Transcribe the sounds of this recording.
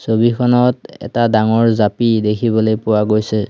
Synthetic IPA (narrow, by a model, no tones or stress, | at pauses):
sobikʰɔnɔtɛ̰tadaŋɔɹzapidekʰiβɔlojpʊwaɡojsɛ